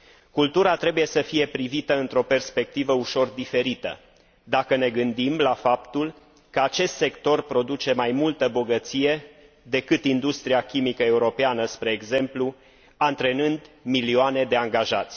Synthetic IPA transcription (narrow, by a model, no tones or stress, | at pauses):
kult̪uɾat̪ɾe̞buje̞səfije̞pɾivit̪əɨnt̪ɾo̞pe̞rspe̞k̚t̪ivəuʃo̞rd̪ife̞ɾit̪ə̰ | d̪akəne̞ɡɨnd̪imlafapt̪ul | kəat͡ʃe̞st̪se̞kt̪o̞rpɾo̞d̪ut͡ʃe̞majmult̪əbo̞ɡət̪sije̞ | d̪e̞kɨt̪ind̪ust̪ɾiakʲimikəe̞uɾo̞peanəspɾe̞ːɡze̞mplu | ant̪ɾe̞nɨnd̪milioane̞d̪e̞aŋɡaʒat̪sʲ